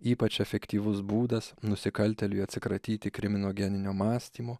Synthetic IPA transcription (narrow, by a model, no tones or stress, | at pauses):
iːpɐt͡ʃɛfʲɛkt̪ʲiːʋʊsbuːd̪ɐsnʊsʲɪkɐlʲt̪ʲɛlʲʊɪɐt̪ʲsʲɪkɾɐt̪ʲiːt̪ʲɪkɾʲɪmʲɪnoːɡʲɛnʲɪnʲoːmɑːsʲt̪ʲiːmoː